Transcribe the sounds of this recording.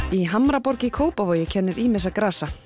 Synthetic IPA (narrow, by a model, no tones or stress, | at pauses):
iɦamɾapɔɾcɪkʰoːwpavoːjɪcʰɛnːɪɾiːmɪs̬akɾaːsa